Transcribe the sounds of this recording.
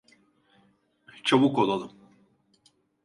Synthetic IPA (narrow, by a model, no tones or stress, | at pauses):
t͡ʃʰaβukolˠalˠɯm